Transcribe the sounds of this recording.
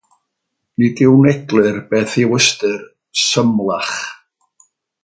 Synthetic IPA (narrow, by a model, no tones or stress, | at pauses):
niɡɪwnɛɡlˠɨrb̥eːθiwəstɨr | səmlˠaχ